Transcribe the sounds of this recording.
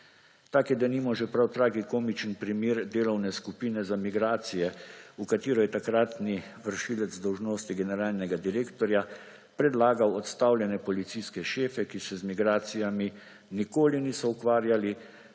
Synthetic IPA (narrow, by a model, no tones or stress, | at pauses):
t̪aːkjɛd̪animɔʒɛpɾawt̪ɾaːɡikoːmit͡ʃənpɾimeːɾd̪eːlɔwnɛskupiːnɛzamiɡɾaːt̪sijɛukat̪iːɾɔjɛt̪akɾat̪niʋəɾʃiːlɛd̪zd̪ɔwʒnoːst̪iɡɛnɛɾaːlnɛɡad̪iɾeːkt̪ɔɾja | pɾɛd̪laːɡawɔt̪st̪awlʲjɛnɛpɔlit̪siskɛʃeːfɛkisɛzmiɡɾaːt̪sijami | nikoːliniːsɔukʋaːɾjali